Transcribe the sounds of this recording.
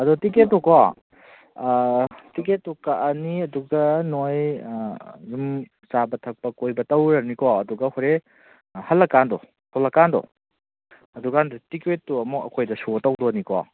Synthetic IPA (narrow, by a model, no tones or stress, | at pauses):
ɐdutiket̚ːɔkɔ | tik̬etːukaʔɐniɐduɡɐnoj | jum | t͡ʃabɐtʰɐk̚pɐkojbɐtɐwɾɐnikɔɐduɡɐhoɾe | hɐlːɐkːandɔ | tʰolɐkandɔ̰ | ɐduɡandɐtikwetːuɐmuɐkʰojdɐsutɐwdonikɔ̰